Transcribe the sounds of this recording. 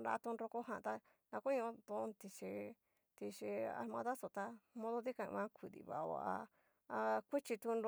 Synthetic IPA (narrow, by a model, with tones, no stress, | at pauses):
ɾa̰˧t̪u˧nɾo˧ko˦ɦã˧t̪a˧ | nã˧kũ˦˧˦t̪õ˧t̪i˧ʃi˧ | t̪i˧ʃi˧a̰˧ɾmã̰˧ða˦so˨t̪a˧mõ˦ðo˦ði˦kã̰˧βã˦kʷi˨ðḭ˧βa̰˨˧βa̰˨ʔa̰˧ | kʷi˦t͡ʃi˧t̪u˧n